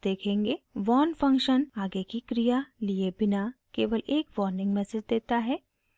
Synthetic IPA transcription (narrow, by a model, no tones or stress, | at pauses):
d̪̥eːkʰẽːŋɡeːʋɔːnfɐ̃ŋkʃənaːɡekikɾijaliebɪnakeːʋəlʔeːkʋɔːɾnɪ̃ŋɡmɛsed͡ʒd̪eːt̪aɦɛː